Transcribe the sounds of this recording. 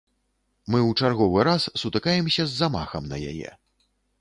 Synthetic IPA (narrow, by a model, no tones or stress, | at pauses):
mɨwt͡ʂarɣɔvɨɾassut̪ɨkajɛmsʲɐzːama̰xɐmnɐ̰ja̰jɛ̰